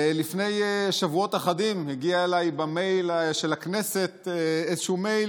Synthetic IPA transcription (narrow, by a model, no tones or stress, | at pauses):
lifne̞jʃavuo̞t̪aχadimheɡiaelajbame̞jlʃelakneset̪ezeʃumej